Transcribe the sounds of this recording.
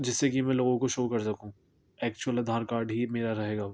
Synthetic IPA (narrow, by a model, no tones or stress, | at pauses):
d͡ʒɪsːekimɛ̃loːɡõkoʃoːkɐɾsɐkũː | ɛːk̚t͡ʃuwəlɐd̪ʱaːɾkaːɾɖɦimeːɾaɾɐɦeːɡaː